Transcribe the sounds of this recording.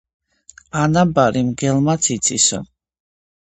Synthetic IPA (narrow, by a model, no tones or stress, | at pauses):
anabaɾimɡɛlmat̪sʰit̪sʰisɔ̰